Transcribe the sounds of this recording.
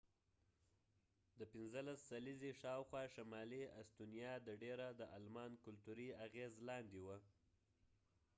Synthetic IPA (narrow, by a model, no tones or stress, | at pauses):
d̪əpɪnzəlasːalizeʃɑwxwɑʃamɑlia̰st̪unijɑd̪əɖeɾad̪əʔalmɑnkʊlt̪uɾiaɣezlɑnd̪ewə